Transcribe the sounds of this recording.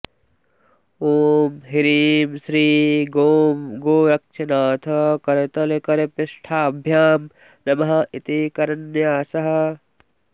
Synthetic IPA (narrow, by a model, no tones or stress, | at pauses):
oːmɦiɾiːmsɾiːɡoːmɡoːɾɐk̚t͡ʃʰɐnaːt̪ʰɐkɐɾet̪ɐlekɐɾepɪʃʈʰaːɐbʱjaːm | nɐmɐɦɐ̆it̪ikɐɾɐnjaːsɐɦɐ̆